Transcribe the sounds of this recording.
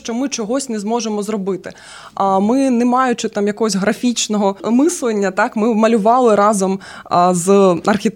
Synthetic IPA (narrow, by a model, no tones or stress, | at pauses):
ʃt͡ʃɔmɪt͡ʃɔɦɔsʲnɛzmɔʒemɔzrɔbɪt̪ɪ | amɪnɛmɑjʊt͡ʃɪt̪ɑmjɐkɔɦɔsʲɦɾɐfʲit͡ʃnɔɦɔmɪslˠlˠɐnʲːɐt̪ɑkmɪmɐlʲʊʋɑlˠɪɾɑzɐm | zɐrxʲit̪